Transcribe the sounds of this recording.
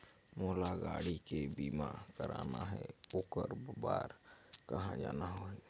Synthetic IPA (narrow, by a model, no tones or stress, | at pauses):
moːlaɡaːɽikebiːmakəɾaːnaɦɛoːkəɾbaːɾkəɦãd͡ʒaːnaɦoe